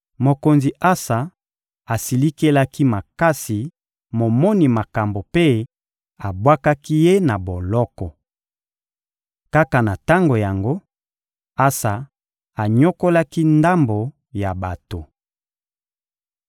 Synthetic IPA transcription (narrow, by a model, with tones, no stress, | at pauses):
mo˨ko˨nzi˨ʔa˦sa˨ | a˨si˨li˦ke˦la˦ki˦ma˨ka˦si˨ | mo˨mɔ˦ni˨ma˨ka˨mbo˨pe˦ | a˨bwa˦ka˦ki˦je˦na˨bo˨lɔ˦kɔ˨ | ka˦ka˨na˨ta˦ŋɡo˨ja˨ŋɡo˦ | a˦sa˨ | a˨ɲo˦ko˦la˦ki˦nda˦mbo˨ | ja˨ba˨to˨